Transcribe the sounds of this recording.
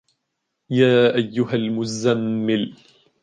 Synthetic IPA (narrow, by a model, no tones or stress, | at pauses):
jaːʔajːʊɦalmʊzamːɪl